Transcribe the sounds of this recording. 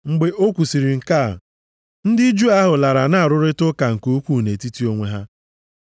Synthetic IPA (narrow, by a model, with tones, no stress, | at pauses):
ŋ͡m̩˨ɡ͡be˨ʔo˦kʷu˨si˨ɾi˨ŋ̩˨ka˦˨ | n̩˦dɪ˦d͡ʒu˦a˦ɦʊ˨la˨ɾa˨na˦a˨ɾʊ˦ɾɪ˦tʊ˦ka˨ŋ̩˨ko˦kʷu˦˨ne˨ti˦ti˦o˦ŋʷe˦ɦa˦